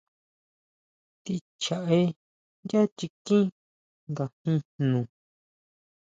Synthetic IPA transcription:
t̪i˧ | t͡ʃa˨ʔe˧ | nda˦t͡ʃi˧kĩ˦ | ŋɡa˨hĩ˧nũ˨

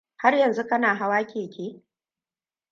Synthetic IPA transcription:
ha˦rjɐ˨nzu˦kɐ˦naː˨ɦa˦waː˦kʲeː˨kʲeː˦

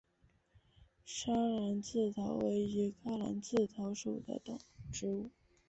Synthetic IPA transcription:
ʂa˥la˧˥nt͡sɹ̩˥˩t̪ʰɑ˧˥ʊwe˧˥ɪi˧˥kʰa˥la̰˧˥nt͡sɹ̩˥˩t̪ʰɑ˧˥ʊʂṵ˨˩d̪ə̰˦t̪ʊ˨˩ŋʈ͡ʂɻ̩˥u˥˩

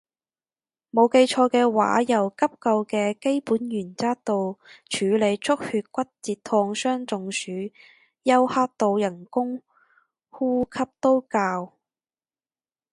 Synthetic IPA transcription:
mo˨˧wke˧jt͡ʃʰɔː˧kɛː˧wa̰ː˨˥jɐ˨˩wkɐ˥p̚kɐ˧wkɛː˧ke˥jpuː˨˥njyː˨˩nt͡saː˥t̪o˨˧wt͡ʃʰyː˨˧le˨˧jt͡sʰʊ˥k̚hyː˧t̚kʷɐ˥t̚t͡siː˨˧t̚t̪ʰɔː˧ŋsœː˥ŋt͡sʊ˨ŋsyː˨˥ | jɐ˥whaː˥t̚t̪o˨˧wjɐ˨˩nkʊ˥ŋ | huː˥kʰɐ˥p̚t̪o˥wkaː˧w

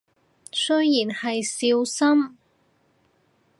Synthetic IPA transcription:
sɵ˥ɥjiː˨˩nhɐ˨jsiː˧wsɐ˥m

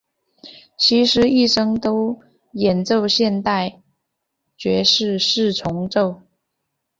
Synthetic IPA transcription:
t͡ɕʰi˧˥ʂɻ̩˧˥i˥˩ʂɤ˥ŋt̪o˥ʊ | jɛ˨˩nt͡so˥˧ʊɕjɛ˥˧nt̪a˥˩ɪ | t͡ɕɥɛ˧˥ʂɻ̩˥˧ʂɻ̩˥˩ʈ͡ʂʰʊ˧˥ŋʈ͡ʂo˥˩ʊ

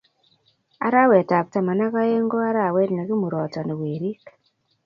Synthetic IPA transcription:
a̰˨ɾa˦we˨ta˨p̚ta˨ma˨na˦ka˦e˦ŋɡo˦a˦ɾa˦˨we˦dna˨ki˦mu˨ɾɔ˨tɔ˨ne˨we˨ɾi˦k

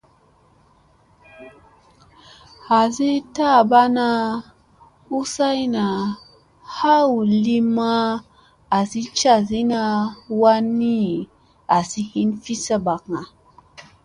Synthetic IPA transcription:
ha˨zi˦ta˦˨ba˦na˦ | u˦sa˦jna˨ | ha˦wli˦ma˦ | a˨si˦t͡ʃa˦˨zi˦na˧wa˦ni˦ | a˨si˦hi˦nfi˦sə˦ba˨kŋa˨

